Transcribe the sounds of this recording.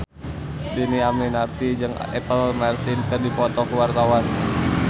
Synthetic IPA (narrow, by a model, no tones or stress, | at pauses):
diniamninart̪id͡ʒɨŋɛpəlmarsɪnkɨrdipɔt̪ɔkəwart̪awan